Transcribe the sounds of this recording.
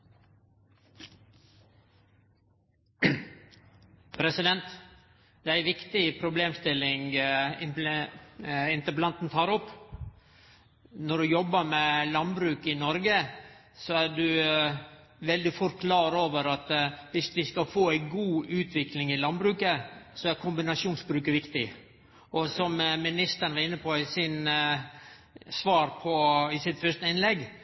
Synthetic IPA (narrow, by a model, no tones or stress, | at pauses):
pʰɾɛsɪd̪ɛnt̪ | d̪ɛæɪʋɪkt̪ɪpʰɾʊbleːmst̪ɪlːɪŋɪ | ɪnt̪əplɑnt̪n̩t̪ʰɑːɾɔpː | nɔɖʉjɔbːəmɛlɑnbɾʉːkɪnɔɾɡə | sɔæɖʉ | ʋɛld̪ɪfʊɾkʰlɑːɾoːʋəɾɑt̪ʋɪsʋɪskɑlfoːæɪɡuːʉːt̪ʰʋɪklɪŋɪlɑnbɾʉːkəsɔæɾkʰʊmbɪnɑsuːnsbɾʉːkəʋɪkt̪ɪ | ʔɔsɔmmɪnɪst̪əɾɳʋɑɾɪnːəpʰɔɪsɪn | sʋɑːɾpʰɔɪsɪt̪fœʂt̪əɪnlɛɡ